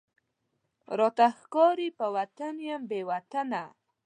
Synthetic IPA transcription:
ɾot̪axkɔɾipəwat̪anjambewat̪ana

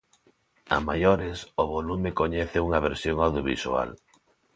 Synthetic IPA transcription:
a̰majoɾɪsoβolumɪkoɲɛθɪuŋɐβeɾsjoŋawðjoβḭsṵa̰l

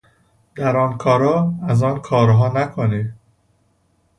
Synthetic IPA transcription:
d̪æɾɒːnkʰɒːɾɒːæzɒːnkʰɒːɾɦɒːnækʰoni

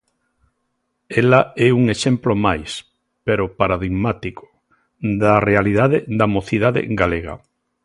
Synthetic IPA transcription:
elaɛuŋeʃẽmplomajs | peɾopaɾaðiɣmat̪iko̥ | d̪arealiðaðed̪amoθiðaðḛɡaleɣa̰

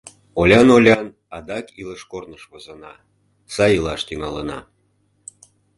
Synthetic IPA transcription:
olʲɑnolʲɑn | ɑd̪ɑkiləʃkornəʃβozənɑ | sɑjilɑʃt̪yŋɑlənɑ̰

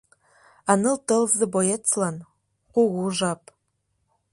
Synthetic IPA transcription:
anɨltɨlzɨbojet͡sʰlan | qʷʊɣʷuʒap̚ʼ

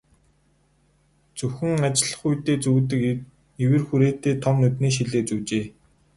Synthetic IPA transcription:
t͡sɵxɘ̆ŋat͡ɕɪ̆ɮə̆χujt̪eːt͡suːt̪̬ɘ̆k | iwɘ̆rxuɾeːt̪eːt̪ʰɔmnɵt̪niːʃ̬iɮeːt͡suːt͡ɕeː

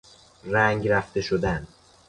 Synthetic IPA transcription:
ɾæŋɡɾæft̪e̞ʃod̪æn

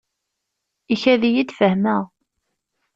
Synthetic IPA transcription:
içæðijid̪fəhməʁ

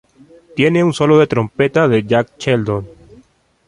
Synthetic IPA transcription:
t̪je̞neunso̞loðe̞t̪ɾompet̪aðeʝak̚t͡ʃeld̪on

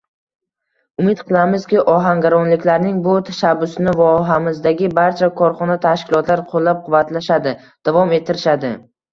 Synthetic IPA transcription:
ʊmɪt̪qʰɨlˠamɪzkʲɪʔɒɦaŋɡʲaɾɒnlɪkʲlaɾnɪŋbʊt̪ʰaʃabːʊsɪnɪvɒɦamɪzd̪aɡʲɪbaɾt͡ʃʰakʰɒɾχɒnat̪ʰaʃkʲɪlˠɒt̪ʰlaɾqʰolˠːap̚qʰʊvat̪laʃad̪ɪ | d̪̥avɒme̞t̪ʰːɪɾɪʃad̪ɪ

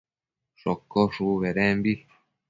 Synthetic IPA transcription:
ʂokːoʂuβeɾembi

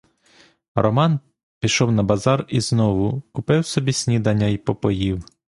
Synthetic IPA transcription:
rɔmɑn | pʲiʃɔwnɐbɐzɑriznɔʋʊkʊpɪwsɔbʲisʲnʲid̪ɐnʲːɐjipɔpɔjiw

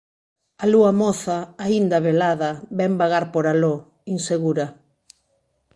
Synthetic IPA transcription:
aluɐmɔθaaind̪ɐβelaðɐβɛmbaɣaɾpoɾalo | inseɣuɾɐ

